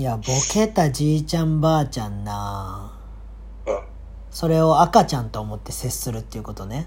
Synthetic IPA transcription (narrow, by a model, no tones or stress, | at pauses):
jabo̞ke̞t̪ad͡ʑiːt͡ɕãmbaːt͡ɕãnːa | so̞ɾe̞o̞akat͡ɕãnt̪o̞ːmo̞t̪ːe̞se̞ssɨɾɯ̟t̪ːeiɯ̟ko̞t̪o̞ne̞